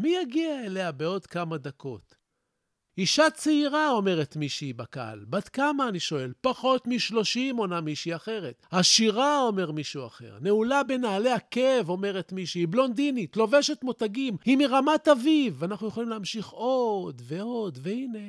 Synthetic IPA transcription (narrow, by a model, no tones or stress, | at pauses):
mijaɡiaele̞abe̞o̞d̪kamad̪akʰo̞̰t̪ | iʃat͡seiʁao̞me̞ʁet̪miʃeibaka̰lbadkamaːniʃo̞e̞lpaχo̞t̪miʃlo̞ʃimo̞namiʃiaχe̞ʁet̪haʃiʁao̞me̞ʁmiʃua̰χe̞̰ʁneulabe̞naːleakevo̞me̞ʁe̞t̪miʃeiblo̞nd̪init̪lo̞ve̞ʃetmotaɡimhimiʁamat̪avivanaχnuje̞χolimleamʃiχo̞d̪ve̞o̞d̪veine̞